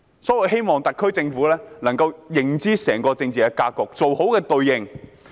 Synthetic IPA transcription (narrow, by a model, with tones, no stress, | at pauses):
sɔː˨˥wɐ˨jɦe˥jmɔː˨ŋt̪ɐ˨t̚kʰːɵ˥ɥt͡sɪ˧ŋfuː˨˥lɛː˥nɐ˨˩ŋkɐ˧wjɪ˨˩ŋt͡siː˥sɛː˨˩ŋkɔː˧t͡sɪ˧ŋt͡siː˨kɛː˧kaː˧kɔː˨˩k̚t͡so˨who˨˥wkɛː˧t̪ɵ˧ɥjɪ˧˩ŋ